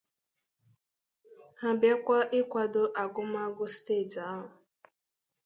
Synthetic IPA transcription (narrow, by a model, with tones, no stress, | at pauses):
ha˨bja˦kʷa˦ʔɪ˦kʷa˨do˦ʔa˨ɡʊ˦ma˦ɡʊ˦ste˦˨da˨˦ɦʊ˨